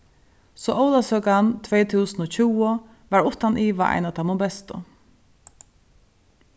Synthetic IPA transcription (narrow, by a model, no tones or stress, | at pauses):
sɔʔɔwlasœːkant̪ʰʋɛːt̪ʰuːsnɔt͡ʃʰuːʊ | ʋaɹʊht̪anʔiːʋa̰ʔa̰jnat̪ʰamɔbɛst̪ʊ̰